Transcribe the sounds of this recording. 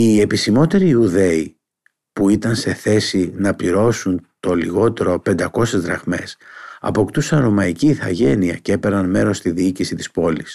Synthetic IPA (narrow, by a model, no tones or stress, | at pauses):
ie̞pisimo̞t̪e̞ɾiuðe̞i | puit̪ɐnse̞θe̞sinɐpliɾo̞sunt̪o̞liɣo̞t̪e̞ɾo̞pe̞nd̪ɐko̞se̞zðɾɐɣme̞sɐ̰po̞kt̪usɐnɾo̞mɐiciːθɐʝe̞niɐce̞pe̞ɾɐnme̞ɾo̞st̪iðiicisit̪i̥spo̞lis